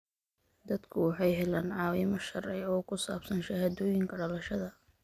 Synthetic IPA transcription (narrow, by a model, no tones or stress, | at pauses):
d̪ɐd̪kʰʊwɑħɑjɦɛlaːnʕɑːwɪmɐʃɐrɛjɔːkʰʊsa̰ːbsɐnʃɐhad̪ɔːjɪŋkʰɐɽɐlɐʃɐðɐ